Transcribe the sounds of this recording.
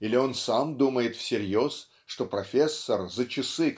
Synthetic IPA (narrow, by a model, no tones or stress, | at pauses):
ilʲɪo̞nsamd̪uməjɪt̪fsʲɪɾʲjo̞s | ʂt̪o̞pɾɐfʲesːərzət͡ɕɪsɨ